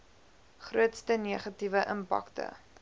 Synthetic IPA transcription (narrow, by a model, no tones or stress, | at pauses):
χruətstəniəχɐtivəʔəmpa̰ktə̰